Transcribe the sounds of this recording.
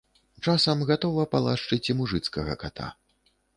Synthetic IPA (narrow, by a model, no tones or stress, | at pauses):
t͡ʂasɐmɣat̪ɔvɐpalˠaʂt͡ʂɨt͡sʲimuʐɨt̪skɐɣɐ̰kat̪ʰa̰